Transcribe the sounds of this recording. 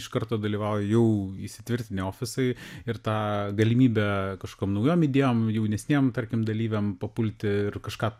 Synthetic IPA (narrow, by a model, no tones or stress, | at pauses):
ɪʃkɐɾt̪oːd̪ɐlʲiːʋɑːʊjjɛʊisʲɪt̪ʲʋʲɪɾʲt̪ʲɪnʲeoːfʲɪsɐɪɪɾt̪ɑːɡɐlʲɪmʲiːbʲɛkɐʃko̥kʲoːmnɐʊjoːmɪd̪ʲeːjoːmjɛʊnʲɛsʲnʲeːmt̪ɐɾʲkʲɪmd̪ɐlʲiːʋʲɛmpɐpʊlʲt̪ʲɪɪrkɐʃkɑː